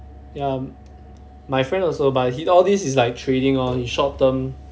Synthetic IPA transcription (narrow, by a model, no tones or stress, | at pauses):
ja | majfɹɛ̃ndɔlsobat̚hiɔldisis̬laɪk̚tʰɹeɾĩŋɔhiʃɔp̚də̃m